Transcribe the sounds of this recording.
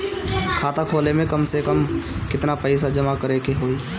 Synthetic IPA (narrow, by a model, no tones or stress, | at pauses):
kʰaːt̪əkʰoːlemẽkɐmsekəmkɪt̪napɛɪs̬ad͡ʒɐmakɐɾeːkeɦoːiː